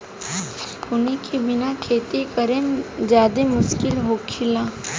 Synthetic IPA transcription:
ʊnikʰibɪnakʰeːt̪ekəɾed͡ʒjaːd̪emʊʃkɪlɦoːkʰɪlaː

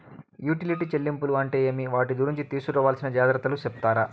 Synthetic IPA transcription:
juːʈiliʈiːt͡ʃelːimpuluɐɳʈe̞ːɐmiʋaːʈ̬iɡ̪uɾiɲt͡ʃit̪iːsuɾɔːʋaːlsinɐd͡ʒaːd̪ɾɐt̪ɐlusept̪aːɾɐ

